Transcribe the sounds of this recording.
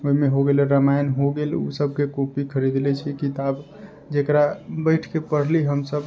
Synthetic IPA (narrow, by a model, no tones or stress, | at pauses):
oimeɦoɡelɛɾəmajnɦoɡelṵsəb̚ʱkekopikʰəɾid̪lɛt͡ʃʰikit̪ab | d͡ʒekɾabəɪʈʰkepəɽ̤liɦəmsəb